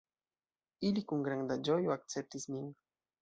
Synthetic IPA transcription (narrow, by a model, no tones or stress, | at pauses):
ilikuŋɡɾaŋd̪ad͡ʒojoak̚t͡sep̚t̪ismiŋ